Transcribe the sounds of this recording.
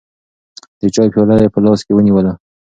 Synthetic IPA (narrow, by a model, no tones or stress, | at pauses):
d̪̥ət͡ʃɑpjɑlajepəlɑskewəniwəla